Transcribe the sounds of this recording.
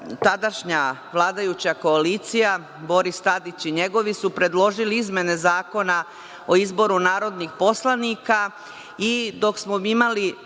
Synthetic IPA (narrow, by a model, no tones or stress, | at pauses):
t̪ad̪aʃɲaʋlˠaːd̪ajut͡ɕako̞aliːt̪sija | bo̞ɾist̪ad̪it͡ɕiɲe̞ɡo̞ʋisupɾe̞d̪lˠo̞ʒiliizme̞ne̞zaːko̞na | o̞izbo̞ɾunaːɾo̞d̪nixpo̞slˠanika | id̪o̞ksmo̞imali